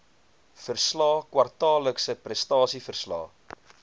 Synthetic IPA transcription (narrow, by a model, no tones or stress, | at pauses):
fərslɑːkwɐrtɑːləksəprɛstɑːsifərslɑ̰ː